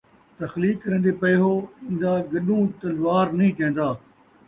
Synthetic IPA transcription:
t̪ɐxliːkːɾẽːnd̪epɐɪɦoĩːn̆d̪aɡɐɗũt̪ɐlʋaːɾnɐĩːt͡ʃɐ̃ɦẽnd̪aː

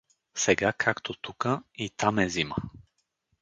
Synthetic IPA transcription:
sɛɡakʰakt̪ʰot̪ukəit̪amɛzimə

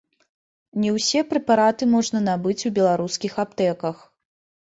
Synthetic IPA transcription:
nʲɛwsʲɛpɾɛpaɾat̪ɨmɔʐnɐnabɨt͡sʲubʲɛlˠaɾuskʲixapt̪ɛkɐx

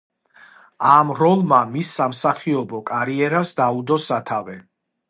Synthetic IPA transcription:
amɾɔlˠmamisːamsaχiɔbɔkʼaɾiɛɾasd̪aud̪ɔsat̪ʰavɛ

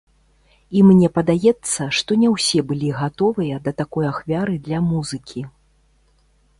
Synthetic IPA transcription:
imnʲɛpɐd̪ajɛt̪sːɐʂt̪ɔnʲɛwsʲɛbɨlʲiɣat̪ɔvɨjɐd̪ɐt̪akɔjaxvʲaɾɨd̪lʲɐmuzɨkʲʰi

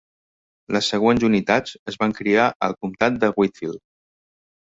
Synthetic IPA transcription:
ləsːəɣ̞wenzunit̪ad͡zəzβaŋkɾiaʔə̰lˠkumt̪at̪̚d̪əɣwit̪fil

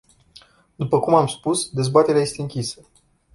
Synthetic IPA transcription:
d̪upəkumamspusd̪e̞zbat̪e̞ɾeaje̞st̪eɨŋkʲisə

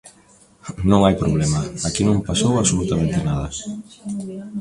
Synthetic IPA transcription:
nõŋajpɾoβ̞lemɐakinõmpasowaβsolut̪amẽnt̪ɪnað̞ɐs

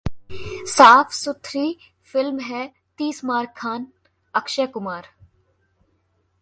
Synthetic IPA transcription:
saːfʰsʊt̪ʰɾiː | fɪlmɦɛː | t̪iːsmaːɾkʰːaːn | ɐkʃeːkʊmaːɾ

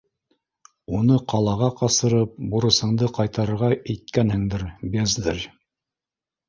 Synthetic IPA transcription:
unɤqɑlˠɑʁɑqɑsɤ̆ɾɤp̚buɾɤ̆shɤ̆ɴd̪ɤqɑjt̪ɑɾɤ̆ɾʁɑʔɘ̆jt̪̚kænhɘ̆ŋd̪ɘɾbezd̪ɘɾ

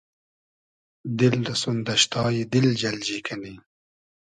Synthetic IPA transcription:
d̪ɪld̪ɐsund̪ɐʃt̪ɑːjid̪ɪld͡ʒɐld͡ʑiːkʰɐni

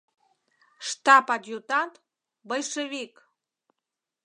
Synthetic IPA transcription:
ʃt̪ɑpɑd̪ʲjut̪ɑnt̪ | bəjʃəβik

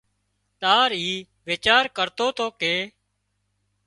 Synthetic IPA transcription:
t̪aːɾiː | ʋeːt͡ʃaːɾkəɾt̪oːt̪oːkeː

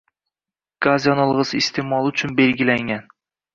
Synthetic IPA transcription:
ɡ̥azjɒnɒlˠʁɨsɪst̪ʰemɒlˠʊt͡ʃʰʊnbe̞lɡʲɪlaŋan

